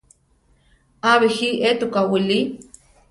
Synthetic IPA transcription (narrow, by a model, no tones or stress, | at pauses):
aβihiʔet̪ukawili